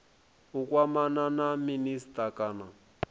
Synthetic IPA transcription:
ukʼwamananaministʼakʼana

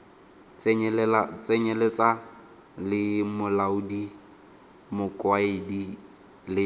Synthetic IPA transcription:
lat͡sʼɛɲɛlet͡sʼa | lɪmʊlaʊdi | mʊkʼwaɪdi | lɪ

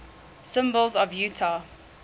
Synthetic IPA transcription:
sɪ̃mbəlˠzɔvjʉːtʰa

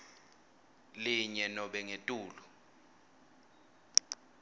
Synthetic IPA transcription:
liɲɛnɔɓɛŋetʼuːlɔ

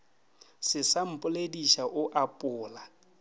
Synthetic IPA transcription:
sɪsam̩pʼʊlediʃaʔʊʔapʼʊːla

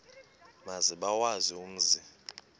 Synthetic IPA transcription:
maziɓawazium̩zi

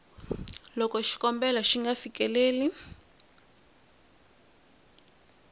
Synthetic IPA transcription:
lɔkɔʃi̥kɔmbɛlaʃiŋɡafikɛleːli

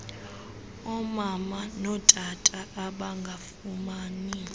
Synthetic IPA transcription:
ɔmamanɔtʼatʼaʔːɓaŋɡʱafumaːni

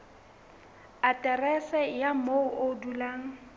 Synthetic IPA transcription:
atʼɛrɛsɛjamoʊʔodulaːŋ̩

